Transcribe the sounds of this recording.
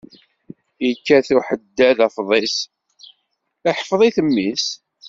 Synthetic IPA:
jəkːæθuħəd̪ːæðæfðˤɪs | aħəfðˤiθəmːis

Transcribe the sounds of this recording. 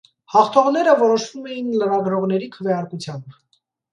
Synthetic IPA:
hɑχt̪ʰɔʁnɛɾəvɔɾɔʃvumɛjinləɾɑɡɾɔʁn̪ɛɾikʰəvjɑɾkut͡sʰjɑmb

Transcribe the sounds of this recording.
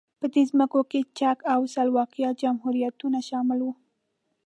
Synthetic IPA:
pəd̪ezməkoket͡ʃakawsɑlwɑqjɑd͡ʒamhuɾijat̪unaʃɑmɪlwu

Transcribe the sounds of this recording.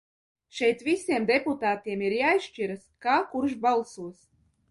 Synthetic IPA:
ʃɛjt̪visʲiɛmd̪eput̪aːt̪iɛmiɾjaːisʃt͡ʃiɾaskaːkuɾʃbalˠsuɔs

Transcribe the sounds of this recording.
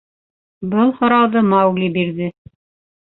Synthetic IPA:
bɤlˠhŏɾɑwðɤmɑwɡlʲibiɾðɘ

